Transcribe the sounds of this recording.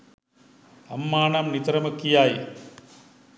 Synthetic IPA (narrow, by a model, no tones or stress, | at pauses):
ɐmːaːnamnit̪ɾɐmɐkːijaːj